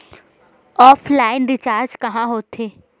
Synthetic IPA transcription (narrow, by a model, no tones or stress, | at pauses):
ɔːpʰlaːɪnɾɪt͡ʃaːɾd͡ʒkɐɦãɦoːt̪ʰːeː